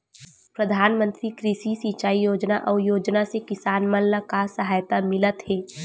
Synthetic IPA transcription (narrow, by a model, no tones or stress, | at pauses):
pɾəd̪ʱaːnmə̃nt̪ɾikɾiʃisit͡ʃaːijoːd͡ʒnaʔɔːjoːd͡ʒnasekɪsaːnməlːəkasəɦaːjt̪amɪlət̪ɦɛː